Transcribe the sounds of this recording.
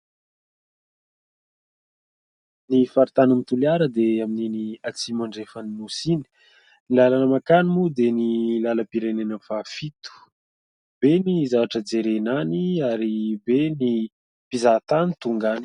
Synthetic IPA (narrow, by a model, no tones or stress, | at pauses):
nifaɾit̪anənit̪uliaɾəd̪eamininiat͡simaɳɖ͡ʐefanimusini̥ | nilalanəmakanimud̪enilaləpiɾenenəfafit̪u̥ | b̥enizavaʈ͡ʂəd͡zeɾenaniaɾibeni | pizat̪anit̪uŋɡani̥